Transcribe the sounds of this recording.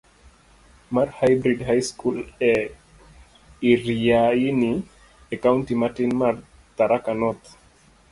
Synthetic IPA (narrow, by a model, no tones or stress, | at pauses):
maɾhajbɾidhajskulɛ | iɾijajini | ɛkauntimatinmaɾ | t̪aɾakanɔt̪